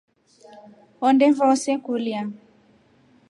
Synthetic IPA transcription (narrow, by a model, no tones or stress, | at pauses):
ɔndɛɱvɔsɛkulia